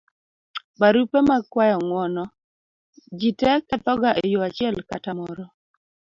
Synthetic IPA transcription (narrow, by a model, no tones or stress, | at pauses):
baɾupemakwajɔŋwɔnɔ | d͡ʒitɛkɛt̪ɔɡaʔejoat͡ʃɪɛlkatamɔɾɔ